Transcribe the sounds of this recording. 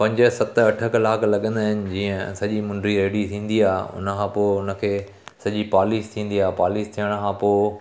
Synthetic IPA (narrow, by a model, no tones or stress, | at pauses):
pɐ̃ɲd͡ʑəsɐt̪ɐʈʰəklaːkʰlɐɠə̃nd̪aːɦɪnɪ̆d͡ʑĩːə̃sɐʄimʊ̃ɳɖɾieːɽit̪ʰĩːn̆d̪iaːɦʊ̰nəkʰãːpoːɪʊnə̆kʰeː | sɐʄipaːliːst̪ʰĩːn̆d̪iaːpaːliːst̪ʰijəɽ̃kʰãpoː